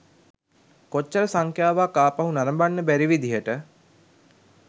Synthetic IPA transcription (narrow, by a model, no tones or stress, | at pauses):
kot͡ʃːəɾəsaŋkjaːʋaːkaːpaɦunaɾəmbanːəbæɾiʋid̪ijəʈə